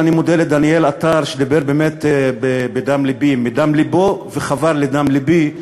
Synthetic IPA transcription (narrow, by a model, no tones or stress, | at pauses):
animod̪eled̪anielat̪aʁʃed̪ibeʁbeːmet̪bebed̪amlibimid̪amliboveχavaʁled̪amlibi